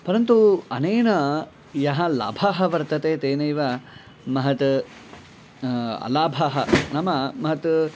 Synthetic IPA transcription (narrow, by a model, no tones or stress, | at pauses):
pɐɾɐnt̪uɐneːnɐ | jɐɦɐla̰ːbʱaɦɐ̆ʋɐɾt̪ɐt̪eːt̪eːnɐiʋa | mɐɦɐt̪ | ɐ̰laːbʱaɦɐnɐmɐmɐɦɐt̪